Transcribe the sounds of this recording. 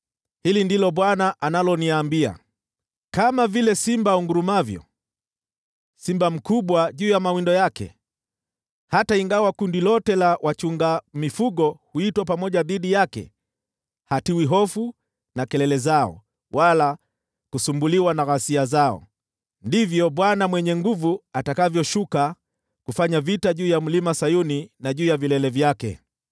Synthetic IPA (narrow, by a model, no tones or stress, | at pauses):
hilindilɔɓwanaʔanalɔniaːmbia̰ | kamavilɛsimbauŋɡuɾumavjɔ̰ | simbam̩kuɓwaʄuːjamawindɔjakɛ̰ | hataiŋɡawakundilɔtɛlawʔat͡ʃuŋɡamifuɠɔhuitwapamɔʄaðiɗijakɛ̰ | hatiwiɦɔfu | nakɛlɛlɛzaɔ̰ | wʔala | kusumbuliwanaɣasiazaɔ̰ | ndivjɔɓwanamwɛɲɛŋɡuvuatakavjɔʃuka | kufaɲavitaʄuːjam̩limasajuninaʄuːjavilɛlɛvjakɛ̰